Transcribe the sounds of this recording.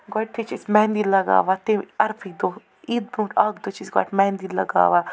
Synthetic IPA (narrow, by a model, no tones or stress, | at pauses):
ɡɔʈ̚t̪ʰit͡ʃʰismɛːnd̪iːlɐɡa̰ːʋat̪eɐɾpʰid̪oː | id̪̚bũːʈaɡd̪ot͡ʃʰisɡɔ̰ʈmɛːnd̪ilɐ̰ɡa̰ːʋa